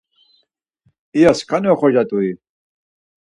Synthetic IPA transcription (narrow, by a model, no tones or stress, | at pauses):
ijaskʰʼaniɔχɔʒat̪ʼui